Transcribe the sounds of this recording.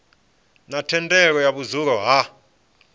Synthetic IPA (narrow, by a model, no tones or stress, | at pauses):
natʰɛndʱʼɛk̬ɔjaɓuzuk̬ɔɦa